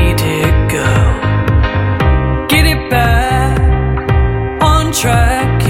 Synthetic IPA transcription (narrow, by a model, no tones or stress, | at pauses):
dɪɡ̥oʊ | ɡ̥ɛɾɪt̚b̥æk | əntʰɹ̥ækʰ